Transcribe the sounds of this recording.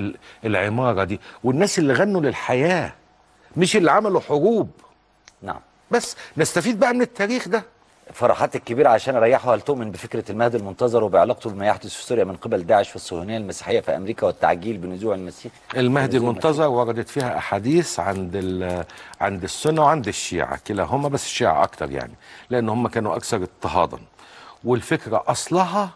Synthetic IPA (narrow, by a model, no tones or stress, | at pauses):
elʕemɑːɾˤɑd̪iːwenːæːsʔelːiɣænːulelħajæː | meʃelːʕamælwħoɡuːb | na̰ʕa̰m | bæsːnest̪æfiːd̪̚bæʔæmenet̪ːæːɾiːxd̪æ | fɑɾˤɑ̰ħɑːt̪ekːebiːɾæʕaʃæːnɾˤɑjːaħohælt̪oʔmɪnbefekɾælmæhd̪ilmont̪ɑzˤɑɾˤwebejeʕlɑːq̚t̪ubemæjaħd̪osfi̥sʊɾjæmɪnqebæld̪aːʕeʃfisˤːohunejːælmæsi̥ːħejːæfḭlʔæ̰mɾiːkæwet̪ːa̰ʕɡiːlbenːʊzuːʕelmæsiːħʔelmæhd̪ilmonɑzˤɑɾˤwɑɾˤɑd̪æt̪fiːhæʔaħad̪iːsʕand̪ | ʕand̪ɪsːʊnːæweʕand̪ɪʃːḭːʕa̰kelæɦomːæbæsːʃːiːʕa̰ʔɑ̰kt̪ɑ̰ɾˤja̰ʕnileʔenːhomːækæːnuʔæ̰kθɑɾˤet̪ːeɦɑ̰ːd̪ˤɑ̰nwelfekɾæʔɑsˤlɑɦɑ